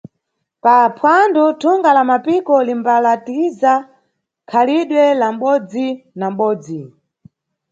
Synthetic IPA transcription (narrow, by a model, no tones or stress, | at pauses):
papʰwandutʰuŋɡalamapikɔlimbalatiza | kʰaliɗwɛlam̩ɓɔd͡zinam̩ɓɔːd͡zi